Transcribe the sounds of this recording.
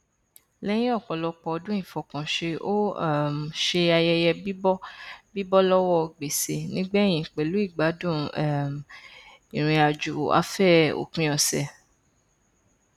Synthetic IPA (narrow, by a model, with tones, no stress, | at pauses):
lɛ˦j̃ĩ˦ɔ˦˨kɔ˨lɔ˧k͡pɔ˧ɔ˧dũ˦ĩ˦˨fɔ˨kã˨ʃe˧ʔo˦˨m˨ʃe˧a˧jɛ˧jɛ˧bi˦bɔ˦bi˦bɔ˦lɔ˦wɔ˦˧ɡ͡be˨se˨nĩ˦ɡ͡bɛ˦j̃ĩ˨k͡pe˨lu˨˦i˦˨ɡ͡ba˨˦dũ˦˨ɛ˦˨m | ḭ̃˨ɾ̃ĩ˧a˧d͡ʒu˨a̰˦fɛ˦˨o̰˨kĩ˦ɔ˧sɛ˨